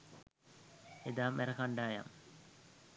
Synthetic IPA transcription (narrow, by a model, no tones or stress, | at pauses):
ed̪aːmeɾɐkaɳɖaːja̰m